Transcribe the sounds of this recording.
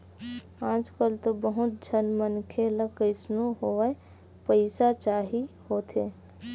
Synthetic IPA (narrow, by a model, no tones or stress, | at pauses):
pãːt͡ʃkəlt̪obəɦʊt̪̚d͡ʒʱənmənkʰeləkəɪsnoɦoə | pəɪsat͡ʃaːɦihoːt̪ʰeː